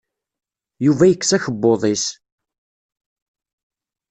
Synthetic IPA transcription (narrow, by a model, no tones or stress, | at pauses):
juvæjəkːsæçəbːoðˤis